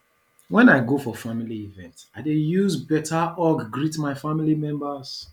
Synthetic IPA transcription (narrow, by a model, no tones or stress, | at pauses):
wɛ̃naɪɡofɔfamiliivɛ̃ntaɪdejuzbɛtʰaʔɔɡɡɹitmaɪfamilimɛ̃mbəs